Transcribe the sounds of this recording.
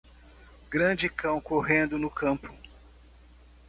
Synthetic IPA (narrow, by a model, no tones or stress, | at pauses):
ɡɾɐ̃d͡ʒɪkɐ̃w̃koɦẽnd̪ʊnʊkɐ̃mpʊ̥